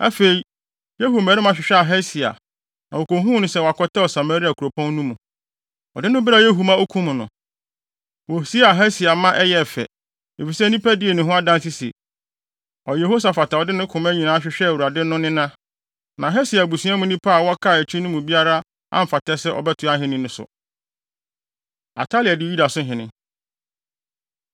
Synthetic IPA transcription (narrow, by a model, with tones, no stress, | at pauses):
a̰˦fe˨i˨˦ | je˦ɦo˨mɛ̃˨˦ɪ̃˦mã˨ɕᶣɪ˨ɕᶣɛ˦a˨ɦɛ˦si˨a̰˨ | nã˨wo˨ko˨ɦũ˦nʊ̃˨sɛ˦wa˨kʰɔ˦tʰɛ˦ɔ˨sa˨ma˨ɾi˦a˨kʰu˨ɾo˨pʰɔ̃˦n˦nũ˦mũ˨ | ɔ˨dɪ̃˦nʊ̃˦bɪ˦ɾa˨je˦ɦu˨mã˦o˦kʰũ˦mʊ̃˨nʊ̰̃˨ | wɔ˨si˦a˨ɦɛ˦si˨a˨mã˦ʔɛ˦jɛ˦˨fɛ̰˨ | e˨fi˨sɛ˦nĩ˦pæ˦dɪ˦e˨nɪ̃˨ɦʊ̃˦a˦dã˦nsi˦sḭ˨ | ɔ˨jɛ˨ɦo˦s̬a˨fa˨tʰa˨ɔ˨dɪ˦nɪ̃˦kʰʊ̃˨mæ˦ɲĩ˨nãː˨˦a˦ɕᶣɪ˦ɕᶣɛ˦˨wu˨ɾa˨dɪ̃˦n˦nʊ̃˦nɪ̃˦nã˦ | nã˨ɦɛ˦si˨a˨bu˨sũ˨˦ã˦mũ˦nĩ˦pʰa˦a˨wɔ˦a˦kʰa˦˨ɛ˨t͡ɕʰᶣĩ˦nʊ̃˦mʊ̃˨bi˦a˦ɾa˦ | ã̰˦m̩˨fa˨tʰɛ˦sɛ˦ʔɔ̰˨bɛ˦tʰʊ˨a˦ɦɪ̃˦nɪ̃˦nʊ̃˦sʊ̰˨ | a̰˨tʰa˦lɪ˨a˨dɪ˦u˦da˨sʊ̃˦ɦɪ̃˨nɪ̃˦